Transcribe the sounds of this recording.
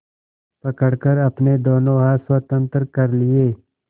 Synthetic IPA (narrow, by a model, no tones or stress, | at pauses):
pɐkəɽkəɾɐpned̪oːnoɦaːswət̪ə̃nt̪əɾkɐɾlɪeː